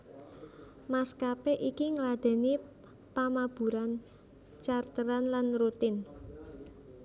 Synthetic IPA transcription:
maskapeʔikiŋəlad̪̥ɛ̤ni | pamab̥ṳɾan | t͡ʃart̪əɾanlanrut̪ɪn

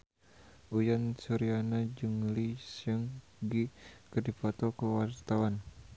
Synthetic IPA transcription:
ʔujansuɾianad͡ʒəŋlisəŋ | ɡikərdifɔt̪ɔkəwart̪awan

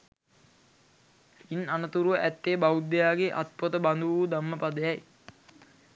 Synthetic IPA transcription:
inanət̪uɾuʋəʔæt̪ːeːbaud̪ːejaːɡeʔat̪̚pot̪əband̪uʋud̪amːəpad̪əjɛj

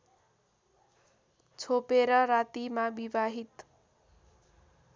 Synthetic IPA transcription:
t͡sʰopeɾʌɾat̪imabibaɦit̪

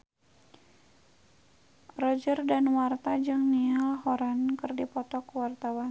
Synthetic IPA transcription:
rɔd͡ʒərdanwart̪ad͡ʒɨŋnialɦɔɾankɨrdipɔt̪ɔkwart̪awan

